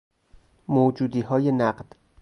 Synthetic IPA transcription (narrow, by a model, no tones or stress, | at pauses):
mod͡ʒuːd̪iːɦɒːjenæɢd̪̥